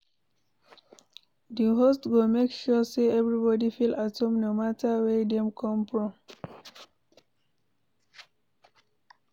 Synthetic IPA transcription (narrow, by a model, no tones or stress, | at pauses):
diɦostɡomekʃɔseɛvɹibɔdifilʔatõmnomatʰawɛdɛ̃mkʰɔ̃mfɹɔ̃m